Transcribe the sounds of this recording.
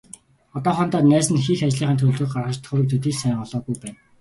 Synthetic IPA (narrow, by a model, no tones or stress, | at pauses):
ɔt̪ɔːχɔːnt̪aːnæːsɘ̆nxixat͡ɕɮiːɴχənt̪ʰuːɮɘ̆k̚ɢarʁə̆t͡ɕt̪ʰχʊɾɘ̆k̚t̪ʰut̪iːɮsæŋɔɮɔːɣujpæːn